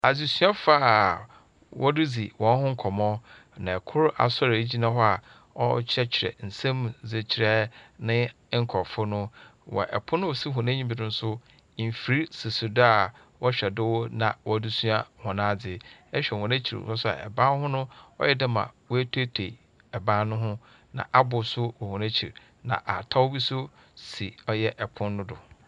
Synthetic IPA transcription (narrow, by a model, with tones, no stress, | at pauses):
a˨d͡zi˨su˦a˦fa˦ | wʔɔ˦dɪ˦d͡zi˨wɔ̃˨˦n˦hʊ̃˦ŋ̩˦kʰɔ˨mɔ̃˦ | nã˨ɛ˨kʰʊ˦ɾa̰˨sɔ˦ɾe˨i˦d͡ʑi˦nã˦ɦɔ˦a˨ | ɔ˦t͡ɕʰɾɛ˦t͡ɕʰɪ˨ɾɛ̰˨n̩˨sã˦m˨ze˨t͡ɕʰɪ˨ɾɛ˦nɪ̃˦ | ŋ̩˦kʰɔ˨fʊ˦nʊ̃˦wɔ̰˨ʔɛ̰˨pʰʊ˦nʊ̃˦ɔ˨si˦ɦʊ̃˨nã˦ɲĩ˦bi˨nʊ̃˦n̩˦sʊ˦˨ | fi˨ɾi˦sɪ˨su˨dʊ˦a˨ | wɔ˦ɕᶣɛ˨dɪ˦wɔ˦nã˨wɔ˦du˦sũ˦a˦hɔ̃˨nãː˦d͡zɪ˦ɛ˦ɕᶣɛ˨hʊ̃˨næ̃˦t͡ɕʰḭ˨ɾ̰a˦sʊ˦a̰˨ʔɛ̰˨bã˦n˦hʊ̃˦nʊ̃˦ɔ̰˦jɛ˦dɪ̃˦mã̰˨wɔ˦æ˦tʰe˦tʰe˨ | ɛ˨bã˦nnʊ̃˦ɦʊ̃˦ | nã̰˨ʔa˦bʊ˨sʊ˦wɔ˨hʊ̃˨næ̃˦t͡ɕʰi˨ɾ | nã̰˨ʔa˨tʰa˦wbi˦sʊ˦ | si˨ɔ˦jɛ˦ʔɛ˨pʰʊ̃˦nːʊ̃˦dʊ˨